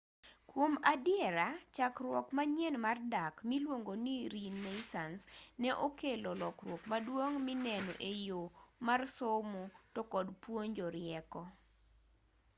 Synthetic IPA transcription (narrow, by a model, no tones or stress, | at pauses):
kwomadjɛɾat͡ʃakrwɔkmaɲenmardakmilwoŋɡoniɾinːesansnɛʔokelɔlɔkrwokmadwoŋminɛnɔ̰ʔejomarsomotɔkɔdpwoɲd͡ʒɔɾɪɛkɔ